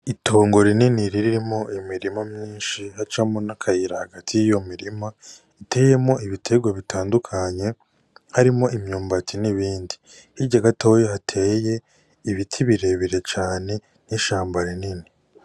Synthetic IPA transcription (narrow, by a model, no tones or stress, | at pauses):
itʰoːŋɡo̞ɾininiɾiɾiɾimo̞imiɾimamɲiːnʃihat͡ʃamonakʰajiɾahaɡatʰijijo̞miɾima | itʰe̞ːje̞mo̞ʔiβitʰe̞ɡwaβitʰaːndukʰaɲe̞ | haɾimo̞ʔimɲuːmbatiniβiːndi | hiɟaɡatojohatʰe̞ːje̞ | iβitʰiβiɾe̞βiɾe̞t͡ʃaːne̞ | niʃaːmbaɾinini